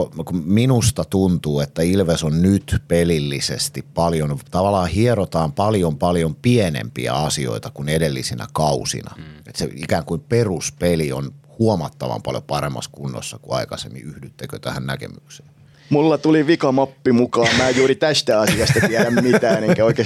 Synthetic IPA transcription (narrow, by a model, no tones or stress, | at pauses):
kuminust̪ɑt̪unt̪uːet̪ːæilʋesonnyt̪pelilːisḛst̪ippɑljont̪ɑʋɑlːˑɑːhieɾot̪ɑːmpɑljompɑljompienḛmpḭæ̰ɑsio̰it̪ɑkunedelːisinæ̰kɑusḭnɑ̰ḛt̪sḛḭkæːŋkuimperuspelio̰nhuomɑt̪ːɑʋɑ̰mpɑ̰ljopɑremːɑ̰skunːo̰sːɑkuɑ̰ikɑsḛmːḭyhdyt̪ːækøt̪æhænnækḛmykse̥ː | mulːɑt̪uliʋikɑmɑpːimukɑːmmæːejjuːɾit̪æst̪æɑsiɑst̪ɑt̪æɾæmmit̪æːeneŋkæoikeː